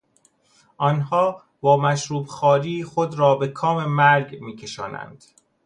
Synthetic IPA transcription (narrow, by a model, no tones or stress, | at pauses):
ʔɒnɦɒː | bɒːmæʃɾuːbxɒːɾiːxod̪ɾɒːbe̞kʰɒːme̞mæɾɡmiːcʰe̞ʃɒ̰ːnæ̰nd̪̥